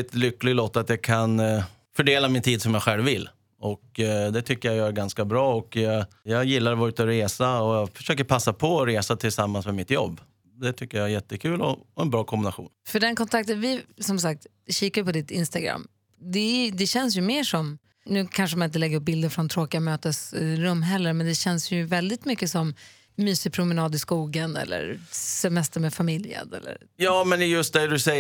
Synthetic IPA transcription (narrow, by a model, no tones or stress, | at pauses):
ɛt̪lʏkːlɪɡloːt̪ːat̪jɑkʰan | fœɖeːlamɪnt̪ʰiːd̪sɔmjaɧɛlvːɪlː | ɔkd̪ɛt̪ʰʏkːəjajœːɾɡanskabɾɑːɔkɑɡjɑːɡjɪlːaɾvaɾʉt̪əɔɾeːsaɔjɑːfœ̥ʂøːk̬əɾpʰasːapʰɔɔɾeːsat̪ʰɪlsamːansmɛmɪt̪jɔ̰bː | d̪ɛt̪ʰʏkːəjaæjɛt̪ːəkʰʉ̟ːlɔɔɛnbɾɑːkʰɔmbɪnaɧṵːnfœɖɛnkʰɔnt̪ʰak̚t̪ənvɪsɔmsak̚t̪ | ɕiːkajpʰɔd̪ɪt̪ɪnst̪aɡɾa̰mː | d̪ɛæd̪ɛɕɛns̬jɵmeːʂɔm | nʉ̟ːkʰanʂəmanɪnt̪əlɛɡəɾɵp̚bɪld̪əɾfɾɔnt̪ʰɾoːkɪamøːt̪əsɾɵmːɦɛlːəɾmɛnd̪ɛɕɛnsjɵvɛld̪ɪt̪mʏkːəsɔmː | yːsɪpʰɾʊmɛnɑːd̪ɪskuːɡənɛ̰lːə̰ɾsɛmɛst̪əɾmɛːfamɪljə̰nɛ̰lːə̰ɾjɑːmɛnjɵst̪̚d̪ɛd̪ɵsɛj